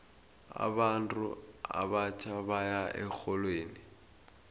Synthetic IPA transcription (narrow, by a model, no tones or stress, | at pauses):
a̰bantʼʊ̰a̰bat͡ʃʰʼaβajaʔɛk͡xʰɔlweːni